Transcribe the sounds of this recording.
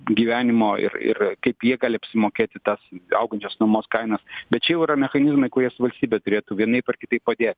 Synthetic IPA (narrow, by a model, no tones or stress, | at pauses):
ɡʲiːʋʲæːnʲɪmoːɪ̰rɪ̰rkɐɪpjiɛɡɑːlʲɪɐpʲsʲɪmoːkʲeːt̪ʲɪt̪ɐsɐ̰ʊɡɐnʲt͡ʃʲoːsnɐmoːskɐɪnɐsbʲɛt̪̚t͡ʃʲɛjɛʊɪɾɐmʲɛxɐnʲɪzmɐɪkʊɾʲiɛsʊʋɐlʲsʲt̪ʲiːbʲɛt̪ʊɾʲeːt̪uːʋʲiɛnɐɪpɐrkʲɪt̪ɐɪp̚pɐd̪ʲeːt̪ʲ